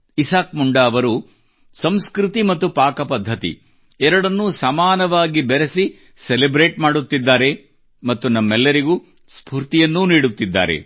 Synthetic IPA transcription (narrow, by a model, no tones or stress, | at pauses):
isaːkmuɳɖaːʋɐɾu | sɐmskɾit̪imɐt̪ːupaːkɐpɐd̪ʱːɐt̪ḭ | ɛɾɐɽɐnːusaːmaːnɐʋaːɡibeɾesi | selebɾe̞ːʈmaːɽut̪ːid̪ːaːɾe̞ | mɐt̪ːunɐmːɛlːɐɾiɡu | spʰuːɾt̪ijɐnːuniːɽut̪ːid̪ːa̰ːɾḛ